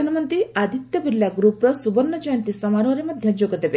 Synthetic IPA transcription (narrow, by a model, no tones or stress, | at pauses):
anɐmɔnt̪ɾiad̪ʱit̪jɔbiljaɡɾupɾɔsubɔɾnːɔd͡ʒɔjɔnt̪isɔmaɾɔɦɾemɐd̪ʱjɐd͡ʒoɡɔd̪ebe